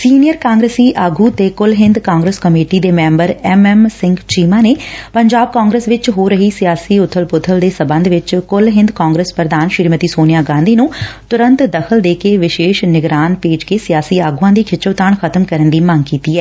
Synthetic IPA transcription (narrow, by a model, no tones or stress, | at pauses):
siːnijəɾkãːŋɡɾeːsiːʔaːɡuːt̪eːkʊlɦɪ̃nd̪kaːŋɡɾeskəmeːʈiːd̪eːmɛ̃ːmbəɾɛmɛːmsɪŋɡt͡ʃiːmãːneːpəɲd͡ʒaːb̚kaːŋɡɾeːsʋɪt͡ʃɦoːɾəɦiːsɪjaːsiːʊt̪ʰːəlpʊt̪ʰːəld̪eːsəbə̃nd̪ʋɪt͡ʃkʊlɦɪ̃nd̪kãːŋɡɾeːspɾəd̪aːnʃɪɾmət̪iːsoːnɪjaːɡãːnd̪iːnũːt̪ʊɾə̃nt̪d̪əkʰəld̪eːkeːʋɪʃeːʃnɪɡɾaːnpeːd͡ʒkeːsɪjaːsiːaːɡuːãːd̪iːkʰɪt͡ʃoːt̪aːɳkʰət̪əmkəɾənd̪iːməŋɡkiːt̪iːɛː